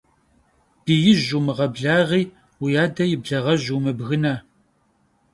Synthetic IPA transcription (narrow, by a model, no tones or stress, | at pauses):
b̥ijɪʒumɨʁɐbɮaːʁiː | wijaːdɐjɪbɮɐʁɐʑumɨbɣɨna